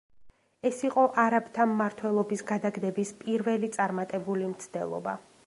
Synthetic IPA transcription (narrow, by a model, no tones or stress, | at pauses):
ɛsiqʼɔʔaɾabt̪ʰamːaɾt̪ʰwɛlˠɔbisɡad̪aɡd̪ɛbispʼiɾvɛlit̪sʼaɾmat̪ʼɛbulimt̪sʰd̪̥ɛ̰lˠɔ̰ba̰